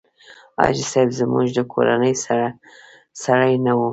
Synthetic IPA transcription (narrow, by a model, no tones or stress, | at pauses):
ɑ̰d͡ʒisajbzəmuʒd̪əkʰo̰ɾa̰nəjsa | saɽajnawu